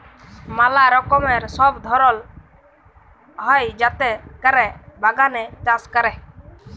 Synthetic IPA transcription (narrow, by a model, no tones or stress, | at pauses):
malaɾɔkɔmɛɾsɔbd̪ʱɔɾɔl | ɦɔjd͡ʒat̪ɛkəɾɛbaɡanɛt̪ãskəɾɛ